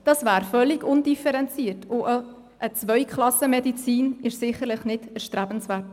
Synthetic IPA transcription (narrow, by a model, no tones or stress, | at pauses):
d̥ɑsvæːɾfœlːɪɡʊndifɛɾɛnt͡siːəɾtʊʔə | ʔət͡svœʏkʰχlɑsəmɛdit͡siːnɪʃsɪχəɾlɪχnɪdəɾʃtɾæb̥ən̩svæːɾt